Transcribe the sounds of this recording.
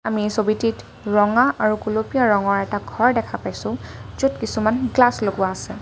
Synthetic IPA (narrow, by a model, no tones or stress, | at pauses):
amisobitit | ɹɔŋaʔaɹukulopijaɹɔŋɔɹɛtaɡʱɔɹdɛkʰapajsʊ̃zudkisumanɡlasloɡʊwaːsɛ